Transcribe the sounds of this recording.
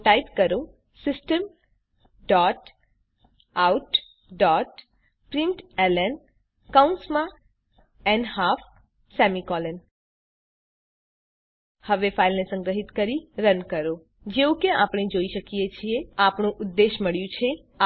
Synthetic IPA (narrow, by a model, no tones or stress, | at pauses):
ʈajpkəɾo | sɪsʈəm | ɖɔʈ | auʈ | ɖɔʈ | pɾĩɳʈɛlɛn | kaunsmã | ɛnhaf | sɛmikɔlən | həʋefailnesə̃ŋɡɾəɦit̪kəɾiɾənkəɾo | d͡ʒeũkeapɳ̃ed͡ʒoiʃəkijet͡ʃʰieapɳũʔʊd̪ːeʃməɭjũt͡ʃʰe | a